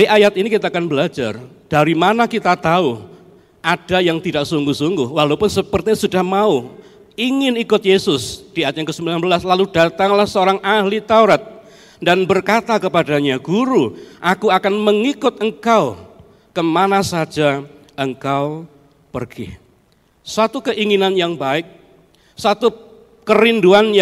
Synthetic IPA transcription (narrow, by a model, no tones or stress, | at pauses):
iʔajat̪inikit̪aːkanbəlad͡ʒar | d̥aɾimanakit̪at̪au | ad̥ajaŋt̪idaʔsuŋɡʊhsuŋɡʊhwalaupʊnsəpərt̪iɲasudahmau | iŋɪnikʊt̪̚jesʊsd̥iajat̪̚jaŋkəsəmbilanbəlaslalud̥at̪aŋlahsəoɾaŋʔahlit̪auɾat̪̚ | danbərkat̪akəpadaɲaɡ̥uɾuʔakuakanməŋikʊt̪̚əŋkaw | kəmanasad͡ʒa | əŋkaw | pərɡ̥ɪ̰h | sat̪ukəʔiŋinanjaŋbaɪk̚ | sat̪u | kəɾinduanj